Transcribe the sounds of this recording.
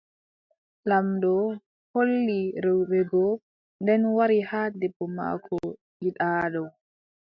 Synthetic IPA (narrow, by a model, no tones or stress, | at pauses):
lamdɔ | holːiɾɛwbɛɡɔ | ndɛnwaɾihaːdɛbːɔma̰kʰɔ | jiɗaːɗɔw